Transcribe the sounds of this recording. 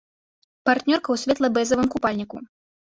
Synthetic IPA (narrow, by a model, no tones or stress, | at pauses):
part̪nʲɔrkɐwsʲvʲɛt̪lˠɐbɛzɐvɨmkupalʲnʲiku